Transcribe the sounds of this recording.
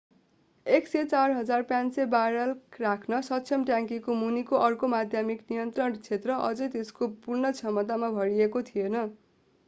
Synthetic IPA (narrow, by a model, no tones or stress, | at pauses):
ekset͡sarɦʌd͡zarpjãnsebaɾʌlkrakʰnʌsʌtːsʰʌmʈjãŋkikomunikoʔʌrkomad̪ʱjamiknijʌnt̪rʌɳt͡sʰet̪rʌʔʌ̰d͡zʌjt̪eskopurnʌt͡sʰʌmʌt̪amabʱʌɾiekot̪ʰijenʌ